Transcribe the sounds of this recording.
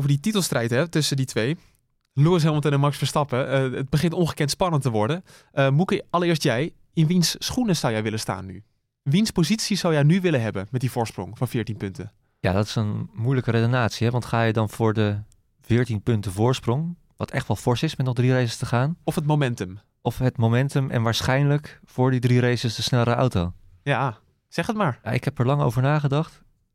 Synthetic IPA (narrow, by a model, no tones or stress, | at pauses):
owvədititəlˠstrɛjtɦɛtɵsənditʋej | luəs̬ɦɪlˠmɔtənəmɑksfəɹstɑpəəət̚bəχɪntɔnχəkɛntspɑnəntəʋɔɹdə | əmukəɑlˠəɹɪːɹstjɛj | ɪnʋinsːχunəsawjɛjʋɪləsta̰ːnːy̰ | ʋinspozitsisawjɛjnyʋɪləɦɛbənmɛt̚divʊːɹsprʊ̰ŋfɑnvɪːɹtinpɵntən | ja̰dɔtɪ̥sənmujləkəɾedonaːtsiɦɛʋɑntχaːjədɑnvʊːɹdə | v̥ɪːɹtinpɵntəvʊːɹsprɔŋ | ʋɑtɛχtʋɑlˠfɔɹsɪsmɛtnɔχdrirejsəstəχaːnɔfɦətmomɛntəm | ʔɔfɦətmowmɛntəmʔɛ̰nʋaːɹsχɛjnləkfʊːɹdidriɾejsəsdəsnɛlɾəʔa̰wtow | ja | sɛχətmaːɹja̰ʔɪ̰kɦɛpəɹlɑŋo̰wvəɹnaːχədɑχt